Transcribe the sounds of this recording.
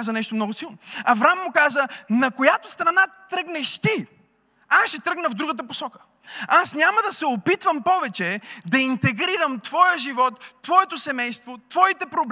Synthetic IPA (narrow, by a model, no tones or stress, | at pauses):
zənɛʃt̪omnɔɡʊsilˠnoɐvɾamːʊkazənɐkojat̪ost̪ɾɐnat̪ɾəɡnɛʃt̪i | asʃɛt̪ɾəɡnəvd̪ɾuɡət̪̬əposɔkə̥ | asnʲaməd̪ɐsɛopit̪vəmpɔvɛt͡ʃɛd̪ɐint̪ɛɡɾiɾəmt̪vɔjəʒivɔt̪ːvɔɛt̪osɛmɛjst̪vot̪vɔit̪ɛpɾobl